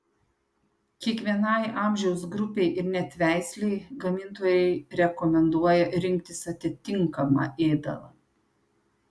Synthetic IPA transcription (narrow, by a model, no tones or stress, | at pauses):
kʲiɛkʋʲiɛnɑˑɪʔɑˑmʲʒʲɛʊsɡɾʊpʲeɪʔɪɾnʲɛt̪ʲʋʲæˑɪsʲlʲɛɪɡɐmʲɪnt̪oːjɛɪɾʲɛkɔmʲɛnd̪uɔjɛɾʲɪŋʲkt̪ʲɪsɐt̪ʲɪt̪ʲɪŋkɐmɑ̰ʔeːd̪ɐ̰lˠɐ̰